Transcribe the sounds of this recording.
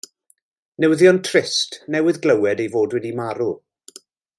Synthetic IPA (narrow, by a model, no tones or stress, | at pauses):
nɛwðjɔntʰrɪstnɛwɪðɡləwɛdejvoːdwɛdimaɾu